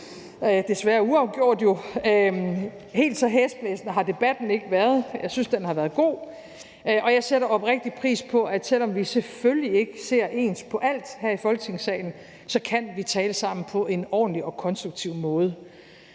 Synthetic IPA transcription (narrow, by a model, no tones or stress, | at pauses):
ød̥e̝sʋæːɐuɑ̈ʊɡ̥jo̝ɐ̰d̥jo̝ | he̝̰ːld̥sɒ̽ɦesb̥lɛsnəɦɑ̈d̥e̝b̥æd̥n̩e̝ɡ̥əʋæɐð̞ˠjɑ̈ɪsynsd̥enhɑʋæːɐð̞ˠɡ̥o̝̰ː | ʔɒ̽jɑ̈ɪseɾɐɒ̽b̥ʁeɡ̥̚d̥ipʰʁḭːspʰɒ̽ʔæd̥sel̰ɒ̽mʋiseføljie̝ɡ̥əse̝ɐ̰ʔe̝̰ːnspʰɒ̽ʔæl̰d̥hæɐ̰ifɒ̽lɡ̥ət͡sʰe̝ŋsɛ̰ːɪn̩ | sɒ̽kʰænʋit͡sʰɛːləsɑ̈m̰n̩pʰɒ̽ʔe̝nɒ̰ːn̩liɒ̽kʰɒ̽nsd̥ʁuɡ̥̚t͡sʰiʊ̰mɔ̽ːð̞̩ˠə